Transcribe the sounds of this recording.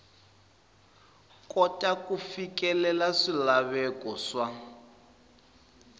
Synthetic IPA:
kɔtʼakufikɛlɛlaʂilaβɛkɔʂa

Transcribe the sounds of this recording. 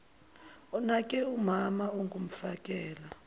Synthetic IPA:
ɔnakʼɛumamauŋɡum̩fakʼɛːla

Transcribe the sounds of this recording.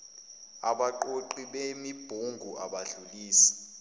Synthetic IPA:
aɓaǃoǃiɓemib̥ʱuŋɡʱuaɓaɮuliːsi̥

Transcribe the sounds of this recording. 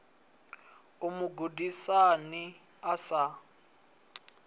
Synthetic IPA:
umuɡudisani | asa

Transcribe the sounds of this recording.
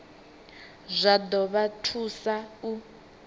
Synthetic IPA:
zʷad̪ɔβatʰusau

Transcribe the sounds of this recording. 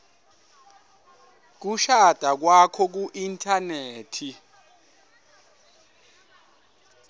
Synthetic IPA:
k̬uʃad̥ʼʱak̬wakʰɔk̬uʔintʰʼaneːtʰi

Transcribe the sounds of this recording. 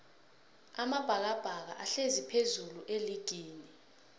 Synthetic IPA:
amab̥ʱak̬ab̥ʱak̬a̰ʔaɬezipʰezuluʔeliɡ̥ʱiːni

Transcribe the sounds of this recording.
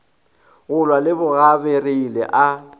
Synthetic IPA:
ɣʊlwalɪbʊɣabereilɛ̰ʔa

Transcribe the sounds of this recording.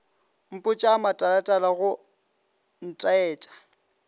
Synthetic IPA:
m̩pʼʊt͡ʃʼaːmatʼalatʼalaɣʊ | n̩tʼaɛːt͡ʃʼḁ

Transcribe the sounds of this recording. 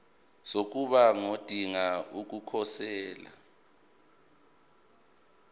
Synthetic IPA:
sok̬ʼuɓaŋod̥ʱiŋauk̬ukʰɔsɛːla̰

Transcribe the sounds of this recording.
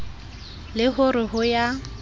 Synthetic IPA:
lɪɦʊɾɪɦʊja

